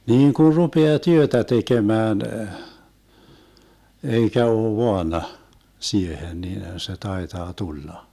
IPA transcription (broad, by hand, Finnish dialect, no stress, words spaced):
niːŋ kun̞ rupeɑ tyøtæ tekemæːn eikæ oː ʋoɑnɑ siehen niːnhæn se tɑetɑː tulːɑ